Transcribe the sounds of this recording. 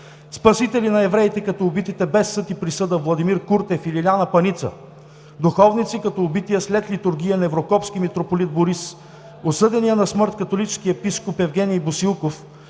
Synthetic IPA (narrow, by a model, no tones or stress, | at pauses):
spɐsit̪ɛlinɐɛvɾɛit̪ɛkɐt̪ɔːbit̪it̪ɛbɛsːɤt̪ipɾisɤd̪əvlˠɐd̪imiɾkuɾt̪ɛfililʲanɐpɐnit̪sə̰ | d̪uxɔvnit̪sikɐt̪ɔːbit̪ijəslɛt̪lit̪ʊɾɡ̟ʲijənɛvɾokɔpsk̟imit̪ɾopolit̪̚boɾis | osɤd̪ɛnijənɐsmɤɾt̪kɐt̪olit͡ʃskiɛpiskopɛvɡʲɛnijbʊsilˠkof